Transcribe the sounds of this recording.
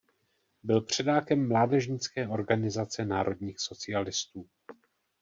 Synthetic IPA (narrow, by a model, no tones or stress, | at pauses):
bɪlpr̝̥ɛdaːkɛmːlaːdɛʒɲɪt͡skɛːʔo̞ɾɡanɪzat͡sɛnaːɾʔo̞dɲiːxso̞t͡sɪalɪst̪uː